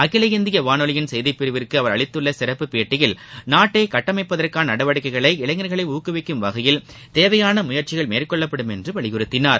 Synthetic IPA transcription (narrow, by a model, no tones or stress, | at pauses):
ɐkːɪlɐɣɪnd̪ɪjɐʋaːnɔɭɪjɪnsɛjðɪpːɪɾɯʋɪrkɯɐʋɐɾɐɭɪt̪ːɯɭːɐsɪɾɐpːɯpeːʈːɪjɪlnaːʈːeːkɐʈːɐmɐɪpːɐðɐrkaːnɐnɐɽɐʋɐɽɯkːɐɪɣɐɭɐɪɪlɐŋɡɐɾɣɐɭɐɪuːkɯʋɪkːɯmʋɐɣɐjɪl | t̪eːʋɐjaːnɐmʊjɐɾt͡ʃɪɣɐɭmeːrkɔɭːɐpːɐɽɯmɛndrɯʋɐɭɪɣɯɾɯt̪ːɪnaːɾ